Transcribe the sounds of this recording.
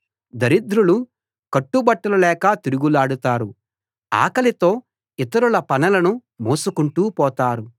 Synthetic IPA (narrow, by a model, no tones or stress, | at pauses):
d̪ɐɾid̪ɾulu | kɐʈːubɐʈːɐlɐlɛːkɐt̪iɾuɡulaːɽut̪aːɾu | a̰ːkɐlit̪o̞ː | it̪ɐɾulɐpɐnɐlɐnumoːsukuɳʈuːpɔːt̪aːɾu